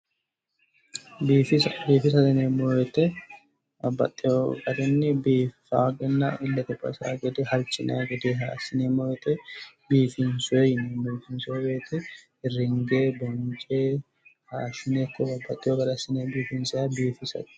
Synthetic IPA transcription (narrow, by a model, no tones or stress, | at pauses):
biːfɪsbiːfɪsɐd̪ɪneːmojɛt̪ɛ | bɐbːɐ̰t̪ʼːɪjoːkʼɐd̪ɛnːɪbiːfaːɡɛnːɐʔɪlːɐt̪ɛpʼːɐ̰sa̰ːɡɛd̪ɛhɐlt͡ʃʼːɪna̰ɡɛd̪eɦa̰ːsɪneːmɔjɛt̪ʼɛ | biːfɪnsʊejɪnebiːfɪnsʊɛɡeːt̪ɛ | ɪrɪŋɡeːbɔnt͡ʃʼeː | haːʃɪneːkːɔbɐbːɐt̪ʼːɪjoːkʼɐd̪ɐsːɪneːbiːfɪnsɛɐbiːfɪsɐ̰t̪